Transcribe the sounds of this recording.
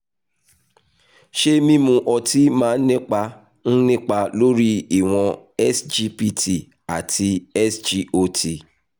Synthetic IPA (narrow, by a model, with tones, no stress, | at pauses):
ʃe˦mĩ˦mũ˧ʔɔ˧ti˦mãː˦n̩˦nĩ˦k͡pa˧ | n̩˦nĩ˦k͡pa˧lo˦ɾi˦i˦˨w̃ɔ̃˧ɛ˦sd͡ʒi˦pi˧˦tʰi˨ | a˨tʰi˧ɛ˦sd͡ʒi˦o˧ti˧